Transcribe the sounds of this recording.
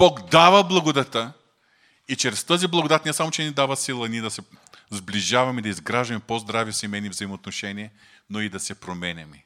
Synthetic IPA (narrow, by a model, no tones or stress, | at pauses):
b̥ɔkd̪avəblˠɐɡod̪ɐt̪ə | it͡ʃɾɛst̪ɤziblˠɐɡod̪at̪nʲɛsamot͡ʃɛnid̪avɐsilˠəniɛd̪ɐsɛzbliʒavɐmɛd̪ɐizɡɾaʒɐmɛpozd̪ɾavisimɛnivzɐimoːt̪noʃɛniɛ | noid̪ɐsɛpɾomɛnʲɛmi